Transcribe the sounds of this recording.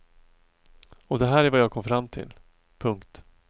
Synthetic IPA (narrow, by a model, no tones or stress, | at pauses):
ɔd̪ɛɦæːɾæɾvajɑːɡ̚kʰɔmfɾamːt̪ʰɪ̰l | pʰɵŋkt̪